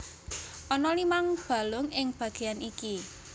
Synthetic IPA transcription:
ʔɔnɔlimaŋb̥a̤lʊŋɪŋb̥ä̤ɡ̥e̤janʔiki

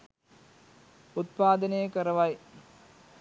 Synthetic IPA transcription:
ut̪̚paːd̪ɐneːkɐɾɐʋɐj

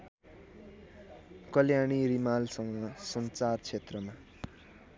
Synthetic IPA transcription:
kʌljaɽ̃irimalsʌŋʌsʌnt͡sart͡sʰet̪rʌma

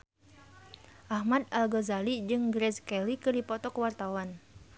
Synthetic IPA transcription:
ʔahmad̪̚alɡazalid͡ʒɨŋɡɾɛskɛlikɨrdipɔt̪ɔkəwart̪awan

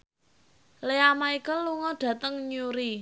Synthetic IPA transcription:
leamaikəllːuŋɔɖ̥ä̤t̪əŋɲuɾi

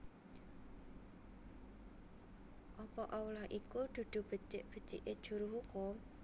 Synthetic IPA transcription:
ʔɔpɔʔawlahʔikud̪̥ṳd̪̥ṳb̥ə̤t͡ʃɪʔb̥ə̤t͡ʃḭʔed̥ʒ̥ṳɾuɦukʊm

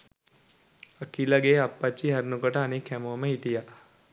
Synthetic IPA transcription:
əkilaɡeːapːat͡ʃːiɦɛɾnukoʈəanikhɛmoməɦit̪ija

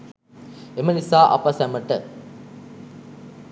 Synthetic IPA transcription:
emɐnisaːʔɐ̰pɐsæməʈə

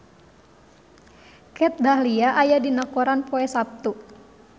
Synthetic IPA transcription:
kɛt̪̚dahliaʔajadinakɔɾanpoɛsap̚t̪u

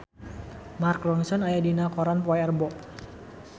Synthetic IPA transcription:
marklɔŋsɔnajadinakɔɾanpɔɛɛrbɔʔ

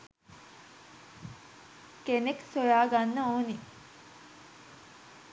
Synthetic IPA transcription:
keneksojaːɡanːəoːni

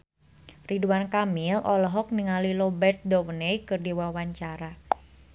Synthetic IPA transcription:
riduankamilʔɔlɔɦɔk̚niŋalilɔbɛrt̪̚dɔwənejkɨrdiwawaɲt͡ʃaɾa

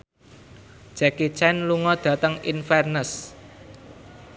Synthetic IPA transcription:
ʒ̥akit͡ʃɛnluŋɔd̪̥ä̤t̪əŋinfɛrnəs

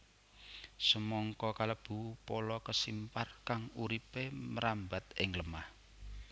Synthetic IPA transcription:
səmɔŋkɔkaləb̥ṳpolɔkəsimparkaŋuɾipeməɾamba̤t̪ɪŋləmah

